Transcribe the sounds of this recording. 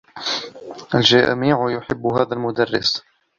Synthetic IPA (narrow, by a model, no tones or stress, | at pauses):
ʔalʒa̰miːʕjʊħɪbːɦaːðalmʊd̪arːɪ̰s